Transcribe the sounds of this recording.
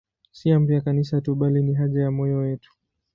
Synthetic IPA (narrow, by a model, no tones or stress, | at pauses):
siambiakanisatuɓaliniɦaʄajamɔjɔjɛtu̥